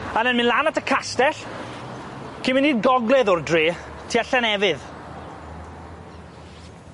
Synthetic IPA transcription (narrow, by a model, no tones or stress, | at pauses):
ənɛnmɨnlˠaːnatəkʰastɛɬ | kʰɪmɪniːɡɔɡlɛðʊrdriː | tʰiaɬɛnɛvɪð